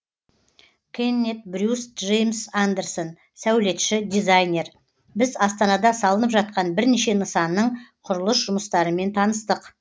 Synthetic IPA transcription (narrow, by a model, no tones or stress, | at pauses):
kʲʰenːet̪̚bɾʲjusʒejmsand̪erson | sæwle̞t̪ʃɪd̪izajne̞r | bɪzɑst̪ɑnɑd̪ɑsɑlˠənəpʒɑt̪̚qɑnbɪɾneʃe̞nəsɑnːəɴqʰʊɾəlˠəsʒʊməst̪ɑɾəme̞nt̪ʰɑnəst̪əq